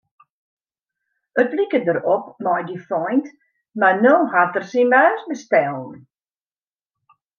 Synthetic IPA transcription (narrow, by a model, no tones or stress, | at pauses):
ətlikədəɾɔpmɔjdifɔjnt | manohatərsinmœːsbəstɛlˠn̩